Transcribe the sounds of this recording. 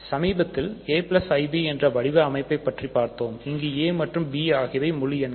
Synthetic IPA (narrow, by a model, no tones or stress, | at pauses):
sɐmiːbɐt̪ːɪleːplɐsɐɪbiɛndrɐʋɐɽɪʋɐɐmɐɪpːɐɪpːɐʈripːaːɾt̪oːmɪŋɡeːeːmɐʈrɯmbiːaːɣɪʋɐɪmʊɻɪjɛn